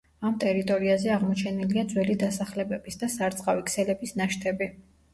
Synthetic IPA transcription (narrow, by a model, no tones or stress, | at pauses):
amt̪ʼɛɾit̪ʼɔɾiazɛaʁmɔt͡ʃʰɛniliad̪zwɛlid̪asaχlɛbɛbisd̪asaɾt̪sʼqʼavikʰsɛlɛbisnaʃt̪ʰɛbi